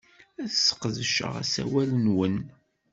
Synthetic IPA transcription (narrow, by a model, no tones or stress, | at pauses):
æθsːə̥qðəʃə̰ʁæ̰sæ̰wælənwən